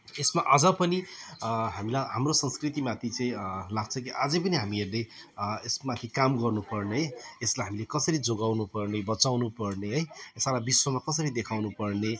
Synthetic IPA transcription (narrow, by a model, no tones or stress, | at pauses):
esmaʔʌd͡zʌpʌni | ɦamilajɦamrosʌnskrit̪imat̪ʰit͡sʌĩlaɡ̚t͡sʰʌ̃kiʔad͡zʌpʌniɦamieɾleesmat̪ʰikamɡʌrnupʌrneɦeslajɦamilekʌsʌɾid͡zoɡawnupʌrnebʌt͡sawnupʌrneɦʌjsalabiswʌmakʌsʌɾid̪ekʰawnupʌrne